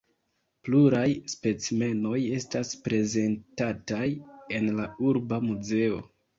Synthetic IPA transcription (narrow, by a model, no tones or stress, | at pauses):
pluɾajspe̞t͡sme̞no̞je̞staspɾe̞ze̞ntataje̞nlauɾbamuze̞o̞̰